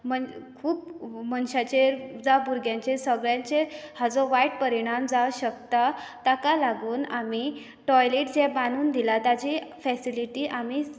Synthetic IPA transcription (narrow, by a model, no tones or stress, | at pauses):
məkʰuːpmənɕat͡ɕed͡zabuɾɡjãɲt͡ɕesəɡɭjãɲt͡ɕehad͡zɔʋaiʈ̚pəɾiɽ̃amd͡zaɕəkt̪at̪akalaɡuːnami | ʈɔjleʈd͡zɛbanuːnd̪ilat̪ad͡ʑifɛsiliʈiːʔami